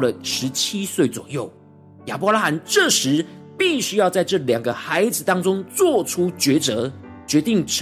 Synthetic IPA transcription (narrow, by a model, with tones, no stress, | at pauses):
lə˩ʂɻ̩˧˦˥t͡ɕʰi˥swe˥˩ɪt͡swɔ̰˨˩jo˥˩ʊ | ja˨˩pɔ˧˥la˧˥xa˧˥˦nʈ͡ʂə˥˩ʂɻ̩˧˥pi˥˩ɕy˥jɑ˥˧ʊt͡sa˥˧ɪʈ͡ʂɤ˥˩ljɑ˨˩ŋɡə˦xa˧˥ɪd͡zɹ̩˨˦t̪ɑ˥ŋʈ͡ʂʊ˥ŋt͡swɔ˥˨˩ʈ͡ʂʰu˥t͡ɕɥɛ˧˥t͡sɤ˧˥ | t͡ɕɥɛ˧˥t̪i˥˩ŋʈ͡ʂʰ